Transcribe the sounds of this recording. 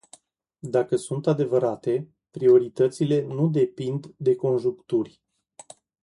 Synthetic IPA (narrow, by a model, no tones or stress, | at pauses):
d̪akəsunt̪ad̪e̞vəɾat̪e̞ | pɾio̞ɾit̪ət̪sile̞nud̪e̞pind̪ːe̞ko̞nʒukt̪urʲ